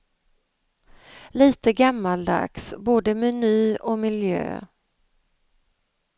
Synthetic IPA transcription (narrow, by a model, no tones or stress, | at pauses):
liːt̪əɡamːald̪a̰ksboːd̪əmɛnyːɔmɪljø̰ː